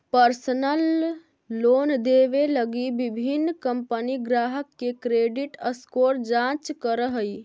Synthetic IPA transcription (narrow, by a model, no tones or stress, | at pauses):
pəɾsnəlː | oːnd̪eʋeləɡibibʱinːkəmpəniɡɾaːɦəkːekɾeɖiʈəskoɾd͡ʒãt͡ʃkəɾəɦəi